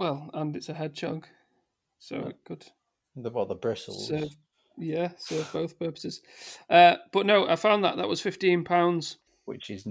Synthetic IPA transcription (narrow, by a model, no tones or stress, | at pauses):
wɛlˠə̃nɪtsəɦɛd̚t͡ʃʰɒ̰ɡ̥ | soʊɪ̰ɡ̥ʊd̥ | ðəbɔʔðəbɹɪsl̩ˠsɜv | jæsɜːvboʊθpʰɜˑpə̥sɪz̥ | ʌb̥ʌʔnoʊʔaɪfãʊ̃nðə̰ʔðəʔwɒz̥fɪftĩnpʰãʊ̃ndz̥ | wɪ̰t͡ʃɪz